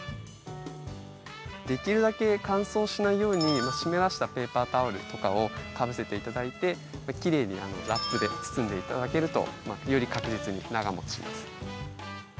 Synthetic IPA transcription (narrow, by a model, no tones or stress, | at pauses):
d̪e̞kʲiɾɯ̟d̪ake̞kãɰ̃so̞ːɕinaijo̞ːɲ̟imaɕime̞ɾaɕi̥t̪ape̞ːpaːt̪aɯɾɯ̟̰t̪o̞kao̞t̪ʰabɯ̟se̞t̪e̞it̪ad̪ait̪e̞ | makʲiɾe̞ːɲ̟iano̞ɾapːɯd̪e̞t͡sɨ̥sɨ̃nd̪e̞it̪ad̪ake̞ɾɯ̟t̪o̞̰majo̞ɾʲikakɯ̟ʑit͡sɨɲ̟ḭnaɡamo̞t͡sɨ̥ɕḭmasɨ̥